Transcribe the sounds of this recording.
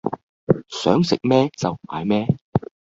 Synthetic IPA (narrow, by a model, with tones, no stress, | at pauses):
sœ̰ː˨˥ŋsɪ̰˨k̚mɛː˥t͡sɐ˨wma̰ː˨˧jmɛː˥